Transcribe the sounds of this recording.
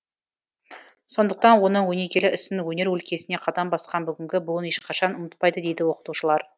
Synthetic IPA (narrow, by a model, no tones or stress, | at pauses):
so̞nd̪əq̚t̪ɑnwo̞nəɴwɵne̞kʲe̞lɪʔɪsɪnwɵne̞ɾwɵlkʲe̞sɪne̞qʰɑd̪ɑmbɑsqɑnbʏɡʲɪŋɡʲɪbʊəne̞ʃqʰɑʃɑnʊmət̪̚pɑjd̪əd̪e̞jd̪ɪwo̞qə̥t̪uʃəlˠɑɾ